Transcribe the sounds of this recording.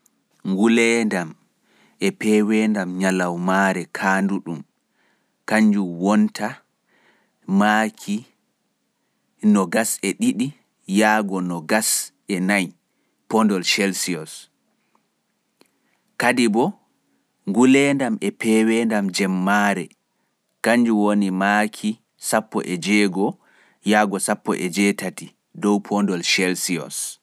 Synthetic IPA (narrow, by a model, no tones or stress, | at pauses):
ŋɡulɛndam | ʔɛpɛːwɛndamɲalawmaɾɛkʰaːnduɗum | kaɲd͡ʒuwɔntʰa | makʰi | nɔɡasɛɗiɗi | jaːɡɔnɔɡas | ɛnaj | pɔndɔlʃɛlsiɔs | kadibɔ | ŋɡulɛːndamɛpɛwɛndamd͡ʒɛmːaːɾɛ | kaɲd͡ʒuwonimakʰi | sapːɔ̰ʔɛd͡ʒɛːɡɔ | jaːɡɔsapːɔ̰ʔɛd͡ʒɛtati | dɔwpʰɔndɔlʃɛlsiɔ̰s